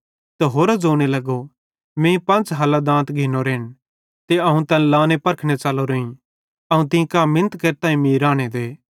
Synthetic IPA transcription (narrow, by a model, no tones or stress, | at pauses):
t̪eɦoːɾad͡zoːɽ̃elɐɡo | mẽːĩpɐ̃nt͡ʃɦaːlad̪ãːt̪ɡʱɪnoɾeːɽ̃ | t̪eɐɦũt̪ɐnlãːnepɐɾkʰɽ̃et͡ʃaːloɾoĩ | ɐɦũt̪ɪ̃ĩkaːmːɪnət̪keːɾt̪ãːĩmĩɾãːɽ̃ed̪eː